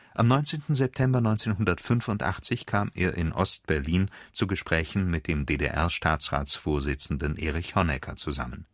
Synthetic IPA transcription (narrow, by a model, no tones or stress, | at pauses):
ʔamnɔʏnt͡seːntn̩zɛp̚tʰɛmbɐnɔʏnt͡seːnɦʊndɐtfʏnfʊntʔa̰χt͡sɪçkʰaːmʔeːɐʔɪnʔɔ̰st̚b̥ɛɐliːnt͡suːɡəʃpʁ̥ɛːçn̩mɪt̚d̥eːmdeːdḛʔɛɐʃtʰaːt͡sʁa̰ːt͡sfoːɐzɪt͡sn̩dənʔeːʁɪçhɔnɛkʰɐt͡suza̰mən